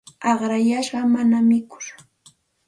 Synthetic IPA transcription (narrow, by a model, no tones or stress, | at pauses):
ɑχɾajaʃɢɑmanamɪkʊ̥ɾ